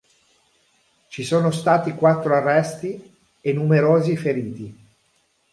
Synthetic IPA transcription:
t͡ʃisoːnost̪aːt̪ikwat̪ːɾoarːɛst̪i | enːumeɾoːzifeɾiːt̪i

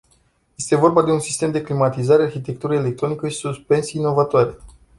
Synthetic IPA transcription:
je̞st̪e̞vo̞rbad̪e̞unsist̪e̞md̪e̞klimat̪izaɾe̞arçit̪e̞k̚t̪uɾəele̞k̚t̪ɾo̞nikəʃi̥suspe̞nsinːo̞vat̪oaɾe̞

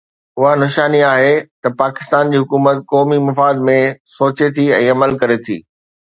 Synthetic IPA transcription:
ʊɦanʊʃaːniaːɦet̪ɐpaːkɪ̥st̪aːnd͡ʑiːɦʊkuːmət̪̚kɔːmimɐfaːd̪mẽsoːt͡ɕet̪ʰiɛ̃ːɐməlkɐɾet̪ʰḭː

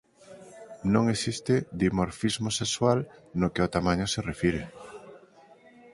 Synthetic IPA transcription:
nõŋesist̪ɪd̪imoɾfizmosekswalnokeot̪amãɲoserefiɾe

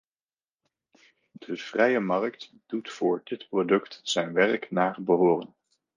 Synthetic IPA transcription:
d̥əv̥rɛjəmɑrk̚t | d̥utfʊːɹdɪtprodɵktsɛjnʋɛrknaːrbəɦoːrən

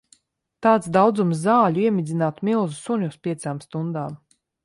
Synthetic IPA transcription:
t̪aːt̪sd̪awd̪zumszaːlʲuiɛmʲid̪zʲinaːt̪milˠzusuɲʲuspʲiɛsaːmst̪und̪aːm

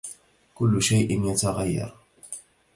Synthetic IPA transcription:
kʊlːʊʃajʔɪnjat̪aɣajːɑ̰ɾˤ

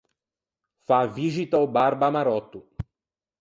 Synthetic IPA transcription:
faviʒit̪ɐubaɾbamaɾɔt̪ʊ

